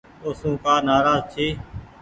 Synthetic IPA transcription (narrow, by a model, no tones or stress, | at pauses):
oːsũːkaːnaːɾaːzt͡ʃʰeː